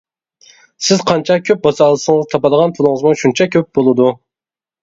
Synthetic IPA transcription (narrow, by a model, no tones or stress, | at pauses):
sɪz̥qʰɑnt͡ʃʰɛkʲʰøp̚bɑsɑlˠɨsɨŋzt̪ʰɑpɑd̪əʁɑnpʰulˠɨŋəzmuʃunt͡ʃʰɛkʲʰøp̚bolˠɨd̪u